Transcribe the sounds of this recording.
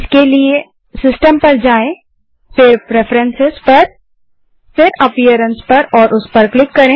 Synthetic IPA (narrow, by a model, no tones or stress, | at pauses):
ɪskelie | sɪsʈəmpɐɾd͡ʒaːẽ | fɪɾpɾɛfɾɛ̃nsɪzpɐɾ | fɪɾɐpijəɾə̃nspɐɾɔːɾʔʊspɐɾklɪkːɐɾẽː